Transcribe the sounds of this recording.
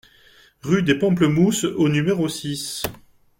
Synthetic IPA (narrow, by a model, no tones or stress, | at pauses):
ʁyd̪epɑ̃pləmusonymeʁosis